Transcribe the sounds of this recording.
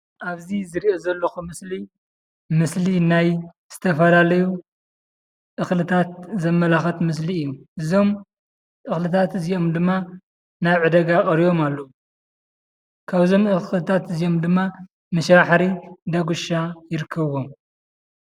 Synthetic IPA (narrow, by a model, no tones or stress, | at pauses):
ʔaβzizɨɾiʔozɐlːɐxumɨsli | mɨslinaj | z̥ɨt̪ʰɐfɐlalɐju | ʔɨxlɨt̪ʰat̪̚zɐmːɐlaxɐt̪mɨs̬liɨjːuʔɨzo̞m | ʔɨxlɨt̪ʰat̪ɨzijo̞md̪ɨmːa | najʕɨd̪ɐɡakʼɐɾijo̞malːou | kʰaβzo̞mɨxlɨt̪ʰat̪ɨzijo̞md̪ɨmːa | mɨʃɾaħɾid̪ɐɡuʃajɪɾɨkʰːɐβom